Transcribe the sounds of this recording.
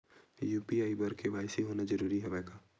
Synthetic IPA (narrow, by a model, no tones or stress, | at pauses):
juːpiaːibɐɾkeʋaːɪsiɦoːnad͡ʒɐɾuːɾiɦɛʋɛːɡaː